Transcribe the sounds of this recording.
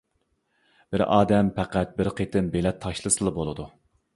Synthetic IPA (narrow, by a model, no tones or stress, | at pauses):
b̥ɪɾɑ̰ːd̪ɛmpʰæqæt̪̚bɪɾqʰet̪ʰɪnbelɛt̪ʰːɑʃlˠɨsɨlˠɨbolˠɨd̪u